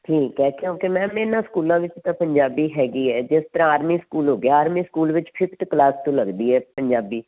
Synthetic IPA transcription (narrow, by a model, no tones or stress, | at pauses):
ʈʰiːkːɛːk̪ʰjõːkemɛ̃ːmeːnãskuːlãːʋɪt͡ʃt̪ãːpəɲd͡ʒaːbiːɦɛːɡiːɛːd͡ʒɪst̪əɾãːaːɾmiːskuːlɦoːɡeaːaːɾmiːskuːlʋɪt͡ʃpʰɪpʰʈ̪klaːst̪õːləɡd̪iːɛːpəɲd͡ʒaːbiː